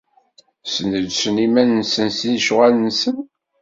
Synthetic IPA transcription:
sənədsənimænnsənsinʃʁalənsən

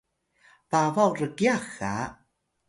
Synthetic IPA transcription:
vavawrəɡjaxa

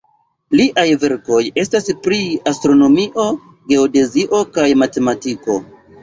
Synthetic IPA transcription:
liʔajve̞ɾko̞je̞staspɾiastɾo̞no̞miʔo̞ | ɡe̞ode̞ziʔo̞kajmate̞matiko̞

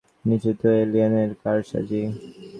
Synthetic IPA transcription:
nit͡ɕit̪oelianeɾkaɾʃa̰d͡ʑi

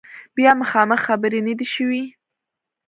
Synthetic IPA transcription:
bjɑməxɑməxːabəɾenad̪iʃəwi

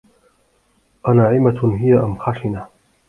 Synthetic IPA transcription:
ʔanaʕɪmaɦɪjaʔamxaːʃɪna

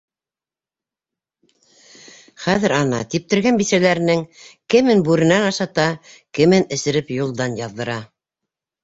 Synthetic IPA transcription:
χæðɘɾɑnɑ̰t̪ip̚t̪ɘ̆ɾɡænbisælæɾɘ̆nɘŋkɘ̆mɘnbʉɾɘ̆nænɑʃɑt̪ɑkɘ̆mɘnɘ̆sɘ̆ɾɘpjulˠd̪ɑnjɑðːɤ̆ɾɑ

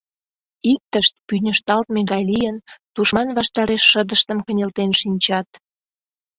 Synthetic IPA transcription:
ik̚t̪əʃt̪̚pynʲəʃt̪ɑlt̪meɣɑjlijənt̪uʃmɑnβɑʃt̪ɑɾeʃːəd̪əʃt̪əmkə̆nʲelt̪enʃinʲt͡ɕɑt̪

